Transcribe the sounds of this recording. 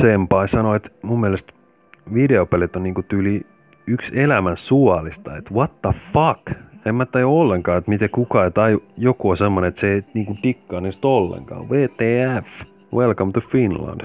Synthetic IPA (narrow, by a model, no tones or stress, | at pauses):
sempɑisɑnoet̪mumːielest̪ | ʋideopelet̪onniːŋkut̪yːli | ykselæmænsuɑlist̪ɑet̪wɑt̪ːɑfɑkemːæt̪ːɑjuolːeŋkɑːet̪mit̪ekukɑet̪ɑjujokuosemːoneet̪seeiniːŋkut̪ikːɑːnest̪olːḛŋkɑ̰ːʋeːt̪eːæf | welkɑmt̪ufinlɑ̰̃nd̥